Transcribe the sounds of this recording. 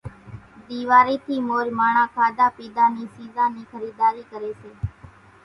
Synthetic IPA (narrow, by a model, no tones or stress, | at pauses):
d̪iːʋaːɾiːt̪ʰiːmoːɾmaːɳãːkʰaːd̪aːpiːd̪aːniːsiːzãːniːkʰəɾiːd̪aːɾiːkəɾeːseː